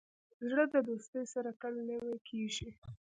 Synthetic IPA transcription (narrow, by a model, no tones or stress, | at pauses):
zɽəd̪əd̪ost̪əjsaɾakəlnəwekʰeʒi